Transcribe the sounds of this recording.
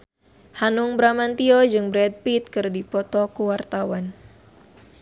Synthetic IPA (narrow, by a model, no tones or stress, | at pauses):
hanʊŋbɾamant̪iɔd͡ʒɨŋbɾɛd̪̚pit̪̚kɨrdipɔt̪ɔkuwart̪awan